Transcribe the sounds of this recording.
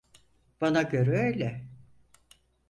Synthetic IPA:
b̥anaɟø̞ɾɛøjlʲɛ

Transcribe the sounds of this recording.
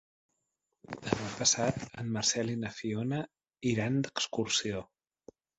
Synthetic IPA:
d̪əmaɲpəsat̪ə̰mːəɾsɛlinəfionə | iɾand̪əkskursio

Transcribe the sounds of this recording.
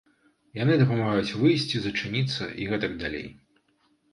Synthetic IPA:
janɨd̪ɐpɐmaɣajut͡sʲvɨjsʲt͡sʲizɐt͡ʂɨnʲit̪sːɐ̰ʔiɣɛt̪ɐɡd̪alʲḛj

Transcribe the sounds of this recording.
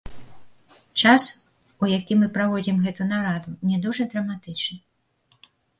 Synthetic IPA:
t͡ʂas | ujakʲimɨpɾavɔd͡zʲimɣɛt̪unaɾad̪unʲɛd̪uʐɐd̪ɾɐmat̪ɨt͡ʂnɨ

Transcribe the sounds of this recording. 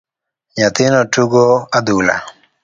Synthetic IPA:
jat̪ɪnɔtuɡoad̪ula̰

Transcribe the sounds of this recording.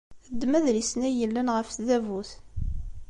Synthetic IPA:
əd̪ːmæðɾisnæjəlːænʁəfθðævuθ

